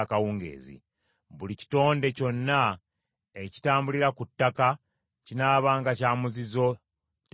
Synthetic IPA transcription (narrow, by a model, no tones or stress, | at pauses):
kawuːŋɡe̞̰ːzḭ | βulici̥to̞ːnde̞co̞nːa | eci̥taːmbuliɾakutːaka | cinaːβaːŋɡacaːmuzizo̞ | t